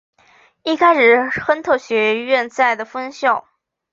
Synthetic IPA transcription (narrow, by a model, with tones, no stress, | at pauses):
i˥˩kʰa˥ɪʂɻ̩˥˩xə˥nt̪ʰɤ˥˩ɕɥɛ˧˥ɥɛ˥˧nt͡sa˥˩ɪd̪ə˩fə˥nɕjo˥˩ʊ